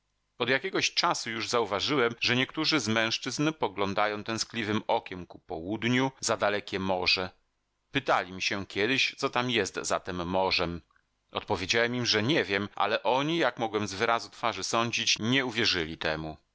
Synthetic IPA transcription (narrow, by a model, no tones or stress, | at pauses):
ɔd̪jakʲɛɡɔɕt͡ʂasujuʐzauvaʐɘwɛmʐɛɲɛkt̪uʐɘzmɛ̃w̃ʂt͡ʂɘznpɔɡlɔnd̪ajɔ̃w̃t̪ɛ̃w̃sklʲivɘmɔkʲɛmkupɔwud̪ɲuzad̪alɛkʲɛmɔʐɛ | pɘt̪alʲimʲiɕɛkʲʰɛd̪ɘɕt̪sɔt̪amjɛst̪zat̪ɛmːɔʐɛm | ɔ̰t̪̚pɔvʲjed͡ʑawɛmimʐɛɲɛvʲjɛmʔa̰lɛʔɔɲijakmɔɡwɛmzvɘɾazut̪faʐɘsɔɲd͡ʑit͡ɕɲɛuvʲjɛʐɘlʲit̪ɛmu